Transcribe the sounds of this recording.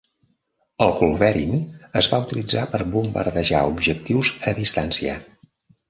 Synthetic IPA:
əlˠkulˠβɛɾinəzβaut̪ilid͡zapəɾbumbə̰ɾðəʒaubʒək̚t̪iwzəðist̪ansiə̰

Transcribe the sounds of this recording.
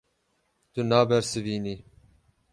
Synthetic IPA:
t̪unɑːbɛɾsɨviːniː

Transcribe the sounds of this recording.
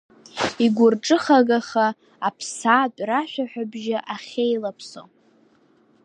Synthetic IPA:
iɡʷʊrʈ͡ʂʼɨχaɡaχaː | pʰsatʼraʃʷᶣaħʷᶣabʒaʔaχʲejlapʰso̰

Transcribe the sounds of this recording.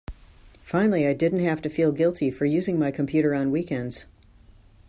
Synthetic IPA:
fãɪ̃nl̩ˠiaɪdɪdⁿn̩t̚ɦæftɨfilˠɡɪlˠtʰifə˞jʉzɪ̃ŋmaɪkʰmpʰj̥ʉɾə˞ə̃nwikɛ̃ndz̥

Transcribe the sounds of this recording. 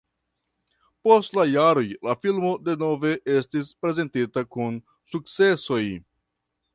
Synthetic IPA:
po̞stlajaɾo̞jlafilmo̞de̞no̞ve̞ʔe̞stispɾe̞ze̞ntitakun | suk̚t͡se̞so̞j

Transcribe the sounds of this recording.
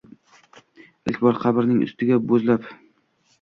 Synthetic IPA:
ɪ̰kʲbɒɾqʰɑbɪɾnɪŋʔʊ̰st̪ɪɡʲabozlap

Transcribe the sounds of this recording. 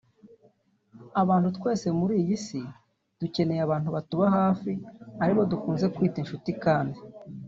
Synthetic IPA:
aβaːnthutkwe̞ːse̞muɾiːjisi | d̥uce̞ne̞jaβaːnhuβatuβaɦaːfiaɾiβo̞dukuːnze̞kwiːtinʃutikaːndi

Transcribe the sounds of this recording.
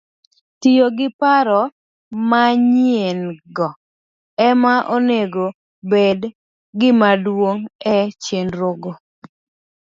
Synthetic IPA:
tɪjoɡɪpaɾɔ | maɲienɡɔ | ɛmaʔoneɡo | bed | ɡɪmadwoŋɛt͡ʃenɾoɡo

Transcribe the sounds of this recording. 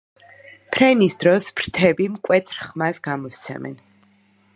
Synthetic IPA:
pʰɾɛnisd̪ɾɔsb̥ɾt̪ʰɛbimkʼwɛt̪ʰɾχmasɡamɔst̪sʰɛ̰mɛ̰n

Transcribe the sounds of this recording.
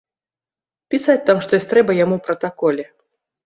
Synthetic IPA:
pʲisatʲt̪amʂt̪ɔjɔsʲt̪ɾɛbɐjamuwpɾɐt̪akɔlʲɛ

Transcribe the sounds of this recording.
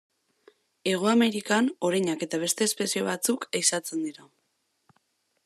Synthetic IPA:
e̞ɣ̞o̞ame̞ɾikano̞ɾajɲake̞t̪aβ̞e̞st̪e̞ːspe̞sio̞βat͡sukejsat͡se̞nd̪iɾa

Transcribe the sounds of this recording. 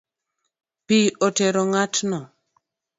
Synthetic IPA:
piʔɔtɛɾɔŋatnɔ

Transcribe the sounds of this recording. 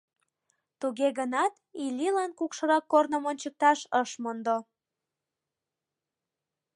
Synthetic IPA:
t̪uɣeɣənɑt̪ilʲilɑnkukʃɤ̆ɾɑkːornəmonʲt͡ɕək̚t̪ɑʃəʃmond̪o

